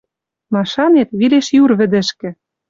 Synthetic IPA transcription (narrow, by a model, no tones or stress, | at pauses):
mɑʃɑnet̪βileʃjurβɘ̆d̪ɘ̆ʃkɘ̆